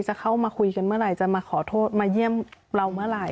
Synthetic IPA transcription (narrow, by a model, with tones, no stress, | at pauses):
t͡ɕa˨˩kʰa˥˩wmaː˧kʰu˧jka˧nmɯ˥ɐ˨ɾa˨˩jt͡ɕa˨˩maː˧kʰɔː˩˦t̪ʰoː˥˩t̪̚maː˧ji˥˩əmɾa˧wmɯ˥˩ɐ˨ɾa˧˩j